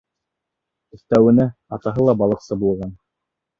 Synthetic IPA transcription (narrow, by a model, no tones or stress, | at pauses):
ɵ̆θt̪æwɘ̆næɑt̪ɑɦɤlˠɑbɑlˠɤ̆qsɤbulˠʁɑn